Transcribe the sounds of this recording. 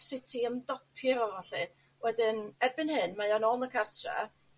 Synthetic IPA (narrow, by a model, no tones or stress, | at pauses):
sɪtʰiəmdɔpʰjɔɔvaɬi | wɛdɪnɛrbɪnhɨnmajɔnɔnəkʰartʰrɛ̰